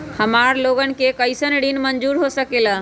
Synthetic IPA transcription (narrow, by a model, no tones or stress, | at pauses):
həmaːɾloːɡən̆kekəɪsənɖinməɲd͡ʒuːɾɦosəkela